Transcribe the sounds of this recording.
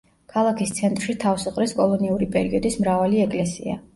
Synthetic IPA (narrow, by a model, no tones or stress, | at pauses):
kʰalˠakʰist̪sʰɛnt̪ʼɾʃit̪ʰafsuχʼɾɛskʼɔlˠɔniuɾipʼɛɾiɔd̪ismɾavaliɛkʼlɛsḭa̰